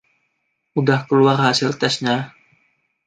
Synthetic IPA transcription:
udahkəluarhasilt̪ɛsɲa

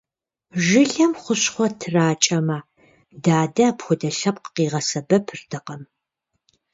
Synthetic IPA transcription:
ʒɪɬɐmχʷʊɕχʷɔtʰɨraːt͡ʃʼɐmɐ | daːdɐːpxʷʊdɐɬɐp̚qəqiːʁɐsɐbɐpʰɨrtʰɐqɐm

